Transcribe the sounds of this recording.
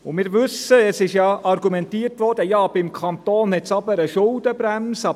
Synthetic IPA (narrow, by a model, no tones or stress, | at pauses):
ʊmɪːɾʋʏsəɛsɪʃjɑːʔɑrɡumɛntiːərtʋɔrd̥əjɑːb̥ɪmkʰɑnt̪oːnhɛtsɑbəɾəʃʊld̥əbɾɛmsɑ